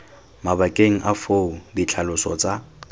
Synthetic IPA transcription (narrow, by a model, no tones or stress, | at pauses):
mabakʼeŋ̩ʔafoudit͡ɬʰalʊsɔt͡sʼa